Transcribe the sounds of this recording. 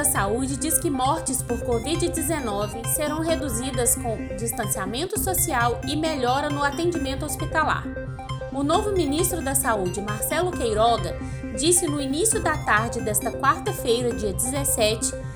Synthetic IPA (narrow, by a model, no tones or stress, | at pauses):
ɐsaud͡ʒɪd͡ʒiskɪmɔɾt͡ʃɪspoɾkovid͡ʒɪd͡ʒɪzenɔvɪseɾɐ̃w̃ɦed̪uzid̪ɐskõw̃d͡ʒist̪ɐ̃siamẽnt̪ʊsosiawɪmeʎɔɾɐnʊat̪ẽd͡ʒimẽnt̪ʊospit̪ala̰ɾ | ʊnovʊmĩnist̪ɾʊd̪ɐsaud͡ʒɪmaɾsɛlʊkejɾɔɡɐ | d͡ʒisɪnʊinisjʊd̪ɐt̪aɾd͡ʒɪd̪ɛst̪ɐkwaɾt̪ɐfejɾɐd͡ʒiɐd͡ʒɪzesɛt͡ʃɪ̥